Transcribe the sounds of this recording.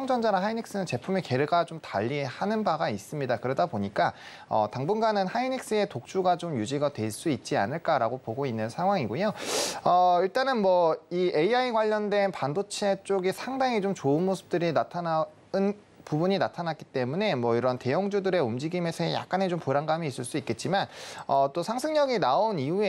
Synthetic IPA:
aŋd͡ʑʌnd͡ʑaɾaɦainik̚s͈ɯnɯnt͡ɕe̞pʰumeke̞ɾɯɡat͡ɕomtaʎːihanɯnbaɡais͈ɯmɲidakɯɾʌdaboɲik͈a | ʌ̰taŋbunɡanɯnhainik̚s͈ɯe̞tok̚t͡ɕ͈uɡat͡ɕomjud͡ʑiɡadwe̞ɭs͈uit̚t͡ɕ͈ia̰nɯɭk͈aɾaɡopoɡoinːɯnsʰaŋwaŋiɡojoʌiɭt͈anɯnmwʌie̞iaiɡwaʎːʌndwe̞npandot͡ɕʰet͡ɕ͈oɡisʰaŋdaŋit͡ɕomt͡ɕoɯnmosʰɯ̥p̚t͈ɯɾinatʰana | ɯn | pubuɲinatʰanat̚k͈i̥t͈e̞mune̞mwʌiɾʌnte̞jʌŋd͡ʑudɯɾe̞umd͡ʑiɡime̞sʰʌɦeja̰k͈̚anet͡ɕompuɾaŋɡamiːs͈ɯɭs͈uit̚k͈e̞t̚t͡ɕ͈imanʌt͈osʰaŋsʰɯŋɲʌɡinaoniue

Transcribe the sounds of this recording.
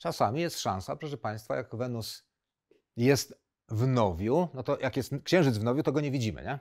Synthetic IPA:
t͡ʂasamʲijɛst̪ʂã̰ñsapʂɛʂɛpaj̃st̪fa̰jakvɛnus | jɛst̪ | vnɔvʲjunɔt̪ɔjakjɛst̪kɕɛ̃w̃ʐɘd̪zvnɔvʲjut̪ɔɡɔɲevʲid͡ʑimɘ̰ɲɛ

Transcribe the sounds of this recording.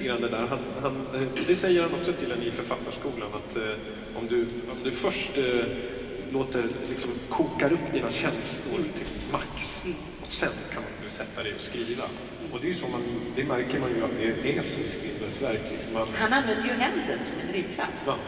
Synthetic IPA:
ɡɾand̪ɛd̪æːɾɦanhand̪ɛsɛjːəɾhanɔksɔt̪ʰɪld̪ɛnifœɾfat̪ːaʂkuːlanat̪ | ɔmd̪ɵ | ɔmd̪ɵfœʂʈ | loːt̪əɾlɪksɔmkʰuːkaɾɵpːd̪iːnaɕɛnslʊɾt̪ʰɪlmaks | ɔsɛnkʰanmand̪ɵsɛt̪ʰːad̪ɛjɔskɾiːva̰ | ɔd̪ɛjɵsɔmand̪ɛmæɾkəɾmanjɵat̪̚d̪ɛɛsɔmɪsk̪ɾɪnb̪əlsvæɾklɪksɔmhanhananvɛnd̪əjɵɦɛnd̪ənsɔmɛnɾɪmːkʰɾa̰ft̪

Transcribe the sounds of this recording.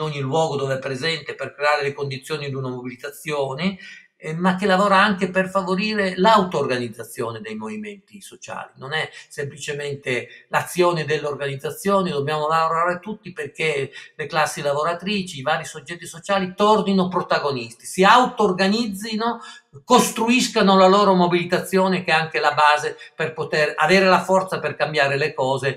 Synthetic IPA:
noɲːilwɔːɡod̪oveɛpːɾezɛnt̪eperkɾeaːɾelekond̪it̪sːjoːnid̪unamobilit̪at̪sːjoːne | makːelavoːɾaaŋkeperfavoɾiːɾelawt̪oːrɡanid̪zːat̪sːjoːned̪ejmoviment̪isot͡ʃa̰ːlinonɛsemplit͡ʃement̪elat̪sːjoːned̪elːeorɡanid̪zat̪sːjoːnid̪objaːmolaloɾaːɾet̪ut̪ːiperkeleklasːilavoɾat̪ɾiːt͡ʃiːvaːɾisod͡ʒːɛt̪ːisot͡ʃaːlit̪ɔrninopɾot̪aɡonist̪isiawt̪oːrɡanid̪zːino | kost̪ɾuiskanolaloːɾomobilit̪at̪sːjoːnek̟ɛaŋkelabaːzeperpot̪era̰veːɾelafɔrt̪saperkambjaːɾelekɔːze

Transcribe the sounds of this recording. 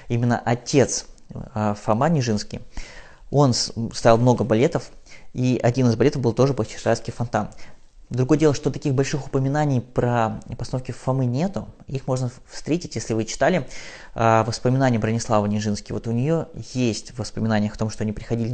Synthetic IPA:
imʲɪnːə̰ʔɐtʲe̞t̪s | fɐmanʲɪʐɨnskʲɪ̰j | o̞nst̪ajalˠmno̞ɡəbɐlʲe̞t̪əfiʔɐdʲinɨzbɐlʲe̞t̪əvbɨlˠt̪o̞ʐɨpot͡ɕɪ̥ʂat̪skʲɪjfɐnt̪an | d̪ɾʊɡo̞jədʲelˠəʂt̪o̞t̪ɐkʲixbɐlʲʂɨxʊ̥pəmʲɪnanʲɪjpɾəpəst̪ɐnofkʲɪffɐmɨnʲe̞t̪ʊixmo̞ʐnəfst̪ɾʲetʲɪtʲjesʲlʲɪvɨt͡ɕɪ̥t̪alʲɪ | əvəspəmʲɪnanʲɪjəbɾənʲɪslˠavənʲɪʐɨnskʲɪjvo̞t̪ʊnʲɪjo̞jesʲtʲvəspəmʲɪnanʲɪjəxɐt̪o̞mʂt̪oɐnʲipɾʲɪxɐdʲilʲɪ

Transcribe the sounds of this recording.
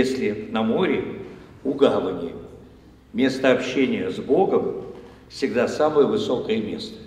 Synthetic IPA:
esʲlʲɪnɐmo̞ɾʲɪ | ʊɡamənʲɪ | mʲe̞st̪əɐpɕːenʲɪjəzbo̞ɡəm | fsʲɪɡd̪asaməjəvɨso̞kəjəmʲe̞̰st̪ə̥

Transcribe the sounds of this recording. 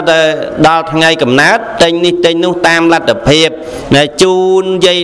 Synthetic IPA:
t̪aɗɑlt̪ʰŋajkɑmnaət̪̚ːɨɲniht̪ɨɲnʊ̆əht̪aːmlat̪ʰːapʰiəp̚ | ɗaɛlt͡ɕuːnjə

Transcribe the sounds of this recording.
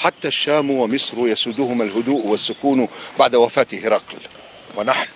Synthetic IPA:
ħat̪ːaʃːaːmwamɪsɾʊjasʊd̪ʊhʊmalɦʊd̪uːʔwasːʊkuːnbaʕd̪awafaːt̪ɪhɪɾˤɑql | wɪnaħn

